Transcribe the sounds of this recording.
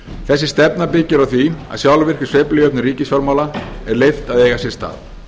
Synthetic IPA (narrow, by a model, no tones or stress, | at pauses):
θɛs̬ːɪ̥st̪ɛpnapɪcːɪɾawθvia̰ðsjawlvɪr̥kɪ̥seplɪjœpnʏɾiːcɪsfjɔɾmawlaɛɾlejft̪aðejɣasjɛ̥st̪a̰ːð